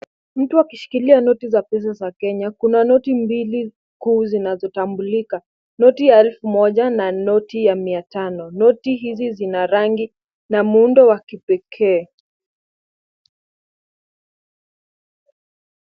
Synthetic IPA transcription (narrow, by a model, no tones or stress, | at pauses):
m̩tuakiʃi̥kilianɔtizapɛs̬azakɛɲakunanɔtimbili | kuːzinazɔtambulika | nɔtijaɛlfumɔʄananɔtijamiatanɔnɔtiɦizizinaɾaŋɡi | namuundɔwakipɛkʰɛː